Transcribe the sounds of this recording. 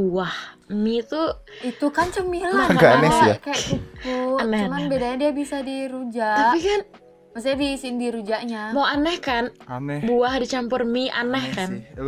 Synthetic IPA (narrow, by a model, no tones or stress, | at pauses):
uah | mit̪uit̪ukant͡ʃəmilaɡanɛsjakajait̪uanɛhəmanbedaɲadiabisadiɾud͡ʒat̪aʔikan | mas̬aabisɪndiɾud͡ʒaʔɲamawanɛhkanbuahdit͡ʃampʊrmia̰nɛhkan